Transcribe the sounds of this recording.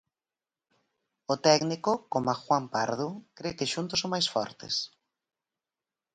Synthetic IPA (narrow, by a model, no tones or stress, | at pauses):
ʊt̪ɛknikʊkomaxwampa̰ɾðʊkɾekɪʃunt̪ʊsomajsfɔ̰ɾt̪ɪ̰s